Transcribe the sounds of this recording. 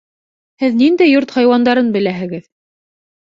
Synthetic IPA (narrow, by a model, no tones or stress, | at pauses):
hɘðnind̪æjoɾt̪hɑjwɑnd̪ɑɾɤnbɘ̆læɦɘ̆ɡɘð